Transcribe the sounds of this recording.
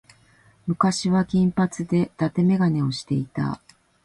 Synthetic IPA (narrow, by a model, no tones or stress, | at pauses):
mɯ̟kaɕiβakʲĩmpat͡sɨd̪e̞t̪at̪e̞me̞ɡane̞o̞ɕi̥t̪e̞it̪a̰